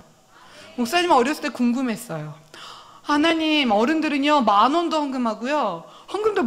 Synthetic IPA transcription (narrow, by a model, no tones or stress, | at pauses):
mok̚s͈aɲimʌɾjʌs͈ɯ̥t͈ekoŋɡɯmɦe̞s͈ʌjo | hanaɲimʌɾɯndɯɾɯɲʌmanondohaŋɡɯmɦaɡujo | haŋɡɯmdo